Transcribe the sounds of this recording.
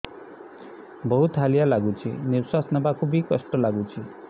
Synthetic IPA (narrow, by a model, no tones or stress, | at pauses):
bɔɦut̪ɦalijalaɡut͡ʃʰḭniɾswasɔnɔbakʰubikɔsʈɔlaɡut͡ʃʰi